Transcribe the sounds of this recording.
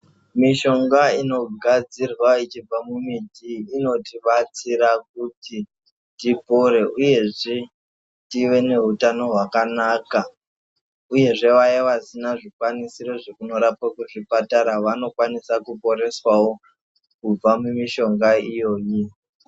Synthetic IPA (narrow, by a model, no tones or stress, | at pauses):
miʃo̞ŋɡaino̞ɡʱad͡zirwait͡ʃib͡vamumitiːno̞tiɓat͡siɾak̚uti | tipo̞ɾe̞ʔuje̞ʐe | tiʋe̞ne̞ɦutano̞ɦwakanaːka | uje̞ʐe̞ʋajeʋasinaʐikwanisiro̞ʐekuno̞ɾapakuʐipataɾaʋano̞kwanisakupo̞ɾe̞swawo̞ | kub͡vamumiʃo̞ŋɡaijo̞ːji